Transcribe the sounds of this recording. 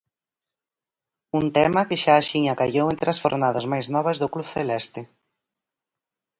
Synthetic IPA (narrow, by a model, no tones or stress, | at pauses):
unt̪ɛmɐkɪʃaːʃiɲakaʝowent̪ɾɪasfo̰ɾnaðɐzmajznɔβɐzðʊkluβθelɛst̪ɪ